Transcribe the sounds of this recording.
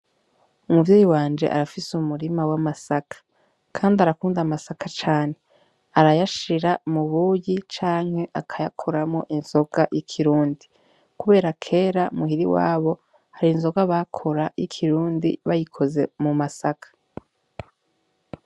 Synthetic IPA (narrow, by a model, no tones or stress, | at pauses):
umuvjeːjiwaːnd͡ʒe̞̰ʔa̰ɾafisumuɾimawamasakḁ | kʰaːndiaɾakuːndamasakat͡ʃaːne̞ | aɾajaʃiɾamuβujit͡ʃaːŋ̥he̞ʔakʰajakʰoɾamo̞̰ʔinz̥o̞ɡ̥ajikʰiɾuːndi | kuβe̞ːɾakʰe̞ːɾaumuɦiɾiwa̰ːβo̞ | haɾiːnzo̞ɡaβakʰo̞ɾajḭkʰiɾuːndḭβajikʰo̞ze̞mumasakʰḁ